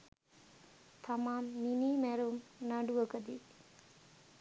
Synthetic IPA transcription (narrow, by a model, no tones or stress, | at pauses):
t̪ʰɐmaːmniniːmeɾumnaɖuʋəkəd̪i